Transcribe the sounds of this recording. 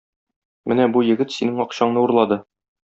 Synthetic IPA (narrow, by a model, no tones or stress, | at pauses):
mɘnæbujɘ̆ɡɘt̪sinɘŋɒqɕɑɴnɤuɾlˠɑd̪ɤ